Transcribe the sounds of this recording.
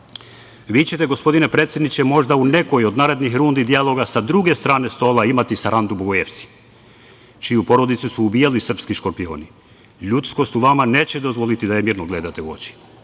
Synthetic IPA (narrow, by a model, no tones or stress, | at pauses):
ʋiːt͡ɕe̞t̪e̞ɡo̞spo̞d̪ine̞pɾet̪sʲjed̪nit͡ɕe̞mo̞ʒd̪aune̞ko̞jo̞d̪naːɾe̞d̪nixɾuːnd̪id̪ialˠo̞ɡasad̪ɾuɡe̞st̪ɾaːne̞st̪o̞ːlaimat̪isaɾʔand̪uboɡojeʋt̪si̥ | t͡ʃijupo̞ɾo̞d̪it̪susuːbiːjalisr̩pskiʃko̞ɾpio̞̰ːni | ʎut̪sko̞st̪uʋamane̞ːt͡ɕed̪o̞zʋo̞lit̪id̪ajemiːɾnoɡle̞d̪at̪euo̞̰t͡ɕi̥